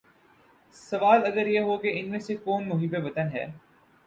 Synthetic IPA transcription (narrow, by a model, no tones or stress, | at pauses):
sɐʋaːlɐɡəɾjeɦokeɪnmẽsekoːnmʊɦiːbebɐt̪ənɦɛ̰ː